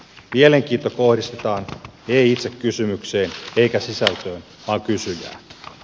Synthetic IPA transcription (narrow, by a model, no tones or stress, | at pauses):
miele̞ŋk̟iːnt̪ːoko̞hdist̪et̪ɑːneiit̪se̞kːysymykseːne̞jkæsisælt̪øːn | ʋɑːŋkysyjæ̰ːn